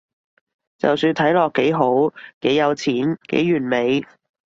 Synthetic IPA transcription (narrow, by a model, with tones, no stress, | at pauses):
t͡sɐ̰˨wsyː˧nt̪ʰɐ˨˥jlɔː˨kːe˨˥jɦo˨˥wke˨˥jjɐ˨˧wt͡sʰiː˨˥nkḛ˨˥jyː˨˩nme˨˧j